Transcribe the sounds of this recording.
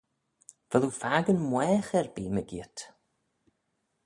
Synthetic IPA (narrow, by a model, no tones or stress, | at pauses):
vɛlˠufaːɡənmwɛːχɛrbiːməɡiːtʰ